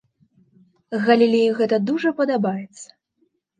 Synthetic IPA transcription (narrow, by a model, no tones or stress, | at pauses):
ɣɐlʲilʲejiɣɛt̪ɐd̪uʐɐpɐd̪abajɛt̪sːɐ̥